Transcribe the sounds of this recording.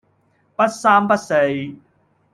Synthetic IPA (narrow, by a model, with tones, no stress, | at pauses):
pɐ˥t̚saː˥mpɐ˦˥t̚se˧j